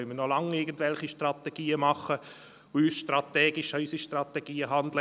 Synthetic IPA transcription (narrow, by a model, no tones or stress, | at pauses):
mənɔlɑŋɪɡən̩dvɛlχiʃtrɑt̪ɛɡ̥iːəmɑχə | oyːsʃtrat̪ɛːɡɪʃœʏsiʃtrat̪ɛɡ̥iːəɦɑndlə